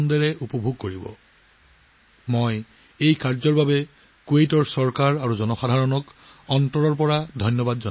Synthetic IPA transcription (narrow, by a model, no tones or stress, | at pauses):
ndɛɹɛʔupɔbʱuɡ̚koɹibɔ̰ | moj | ejkaɹzɔɹbabɛ | kuejtɔɹsɔɹkaɹaɹuzɔnɔxadʱaɹɔnɔk | ɔntɔɹɔɹp̬ɔɹadʱɔjnjɔbadzɔ